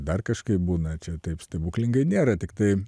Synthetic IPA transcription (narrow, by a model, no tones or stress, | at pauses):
d̪ɐrkɐʃkɐɪp̚buːnɐt͡ʃʲɛt̪ɐɪpsʲt̪ʲɐbuːklʲɪŋɡɐɪnʲeːɾɐt̪ʲɪkt̪ɐɪ